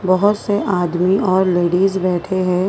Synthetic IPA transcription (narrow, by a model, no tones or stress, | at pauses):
bɐɦʊt̪seʔaːd̪miɔːɾleːɖiːzbɛːʈʰeɦɛ̃ː